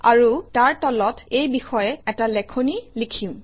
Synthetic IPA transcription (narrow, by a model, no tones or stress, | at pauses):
aɹutaɹtɔlɔtejbixɔjɛɛtalɛkʰonilikʰĩʊ̃